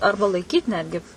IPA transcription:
ˈɐrbɐ lˠɐɪˈkʲiːt ˈnʲæːdʲɡʲɪ

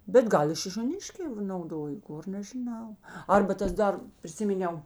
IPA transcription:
bʲɛt ˈɡɐlˠ ɪ ʃʲɪʃʲoːˈnʲɪʃʲkʲɛː nɐʊˈdoːjoː ˈɡoːr nʲɛʒʲɪˈnɐʊ ˈɐrbɐ ˈtɐs ˈdɐr pʲrʲɪˈsʲɪmʲɪnʲɛʊ

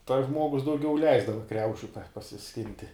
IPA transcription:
tɐs ˈʒmuɔɡʊs dɐʊˈɡʲɛʊ ˈlʲɛɪzdɐʋɐ ˈkrʲɛʊʃʲʊ pɐ pɐsʲɪˈsʲkʲɪnʲtʲɪ

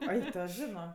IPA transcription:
ˈɐɪ ˈtoː ˈʒʲɪnoː

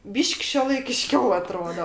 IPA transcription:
ˈbʲiːʃʲkʲ ʃʲuɔlˠɐɪkʲɪˈʃʲkʲɛʊ ɐˈtroːdoː

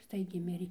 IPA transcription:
ˈstɐɪɡʲɛɪ ˈmʲɪrʲeː

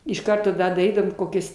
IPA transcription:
ɪʃ ˈkɐrtoː dɐ dɐˈrʲiːdɐʋoːm ˈkoːkʲɛs

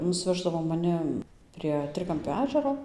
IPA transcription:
nʊsʲˈʋʲæːʒdɐʋoː mɐˈnʲɪ ɐn pʲrʲiɛ ˈtʲrʲɪkɐmʲpʲoː ˈæːʒʲɛroː

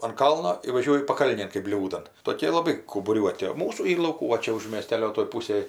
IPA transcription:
ɐn ˈkɐlˠnoː ɪ ʋɐˈʒʲuɔjʊ pɐˈkɐlʲnʲeːn kɜp ˈbʲlʲuːdɐn toːˈkʲeː lˠɐˈbɐɪ kɐʊbʊˈrʲuɔtʲɪ oː ˈmuːsuː ˈiːr lˠɐʊˈkuː ʋɐ ˈt͡ʃʲɛ ʊʃ mʲeːˈsʲtʲæːlʲoː toːj ˈpuːsʲeːj

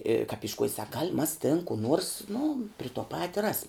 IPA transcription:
ɪ kɐp ɪʃˈkuɔj sɐk ɡɐlʲ mɐs tʲɪn kʊ ˈnuɔrs nʊ pʲrʲɪ tuɔ ˈpɑːtʲɪ ˈrɑːsʲɪm

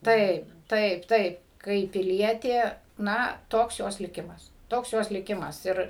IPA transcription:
ˈtɐɪp ˈtɐɪp ˈtɐɪp kɐɪp pʲɪˈlʲiɛtʲeː ˈnɐ ˈtoːks ˈjoːs lʲɪˈkʲɪmɐs ˈtoːks ˈjoːs lʲɪˈkʲɪmɐs ˈɪr

